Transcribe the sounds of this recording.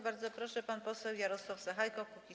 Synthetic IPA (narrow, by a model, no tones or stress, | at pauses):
baɾd̪zɔpɾɔʂɛpanpɔsɛwjaɾɔswafsaxajkɔkukʲi